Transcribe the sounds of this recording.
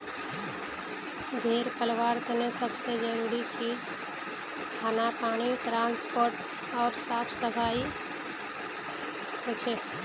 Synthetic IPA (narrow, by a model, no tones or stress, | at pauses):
d̪ʱeːɾpəlʋaːɾt̪enẽsəbsed͡ʒəɾuːɾit͡ʃiːd͡ʒ | kʰaːnapaːɽ̃iʈɾãːnspoːɾʈ | ɔːɾsaːpʰsəfaːi | ɦot͡ʃʰeː